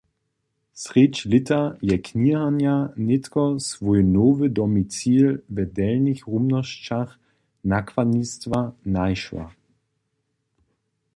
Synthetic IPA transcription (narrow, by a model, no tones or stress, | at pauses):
sʁɪt͡ʃlɪtʰajɛkʰnihanjanɪtkɔsvɔʏnoːvədɔmit͡siːlvɛdɛlnɪçʁumnɔʃt͡ʃaχ | nakʰv̥anistvanaɪʃva̰